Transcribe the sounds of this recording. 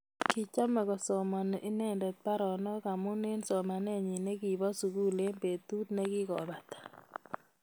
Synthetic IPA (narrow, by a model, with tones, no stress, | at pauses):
ki˨t͡ʃa˦mɛ˨kɔ˨sɔ˨mɔ˨n˨ʔi˦nɛ˦˨ndɛ˨t̪̚pa˦ɾɔ˨nɔ˦ka˨mʊ˦ne˦nsɔ˨ma˨nɛ˦ɲi˨ne˦ɡi˨bɔ˦su˨ɡu˦le˦mpe˨t̪u˦t̪ne˦ɡɪ˦ɡɔ̰˨ba˨t̪ḁ˨